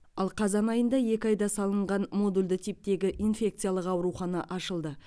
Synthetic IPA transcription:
ɑlˠqʰɑzɑnɑjənd̪ɑje̞kʲɪɑjd̪ɑsɑlˠəɴʁɑnmo̞d̪ulʲd̪ɪt̪ʰip̚t̪e̞ɡʲɪʔinfʲe̞k̚t̪sɨjalˠəqɑwɾuχɑnɑʔɑʃəlˠd̪ə

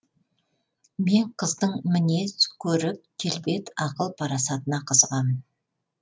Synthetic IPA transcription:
me̞ɴqʰəzd̪əɴmɪne̞skʲʰɵɾɪp̚kʲʰe̞lbe̞t̪ɑqəlˠpʰɑɾɑsɑt̪ənɑqʰəzʁɑmən

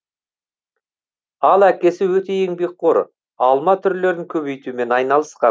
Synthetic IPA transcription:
ɑlˠækʲe̞sɪwɵt̪e̞jeŋbe̞k̚qʰoɾ | ɑlˠmɑt̪ʰʏɾle̞ɾɪŋkʲʰɵβe̞jt̪ume̞nɑjnɑlˠəsqɑ

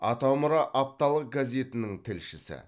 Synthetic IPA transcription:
ɑt̪ɑwmʊɾɑʔap̚t̪ɑlˠəq̚ɡazʲe̞t̪ɪnɪŋt̪ʰɪlʃɪsɪ̰

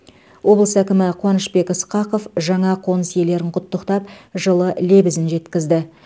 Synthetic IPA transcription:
wo̞blˠəsækʲɪmɪqʰwɑnəʃpe̞kɪsqɑqo̞fʒɑɴɑqʰo̞nəsje̞le̞ɾɪɴqʰʊt̪ːəqt̪ɑp̚ʒəlˠəlebɪzɪnʒe̞t̪kʲɪzd̪ɪ

